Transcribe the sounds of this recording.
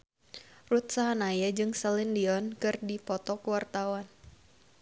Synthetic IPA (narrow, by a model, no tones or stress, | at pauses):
rut̪saɦanajad͡ʒɨŋsɛlindiɔnkɨrdipɔt̪ɔkuwart̪awan